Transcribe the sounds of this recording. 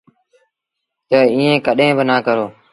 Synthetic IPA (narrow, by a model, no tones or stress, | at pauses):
t̪əːiːẽːkəɗẽːbənaːkəɾoː